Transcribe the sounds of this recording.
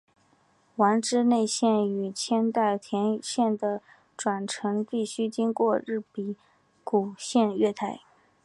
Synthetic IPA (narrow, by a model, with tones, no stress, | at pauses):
wa˧˥nʈ͡ʂɻ̩˥ne˥˧ɪɕjɛ˥˩ny˨˩t͡ɕʰjɛ˥nt̪a˥˩ɪt̪ʰjɛ˧˥nɕjɛ˥˩nd̪ə˩ | ʈ͡ʂwa˨˩nʈ͡ʂʰɤ˧˥ŋpi˥˩ɕy˥t͡ɕi˥ŋkwɔ˥˧ɻɻ̩˥˩pi˨˩ | ku˨˩ɕjɛ˥˧nɥɛ˥˧˩t̪ʰa˥˩ɪ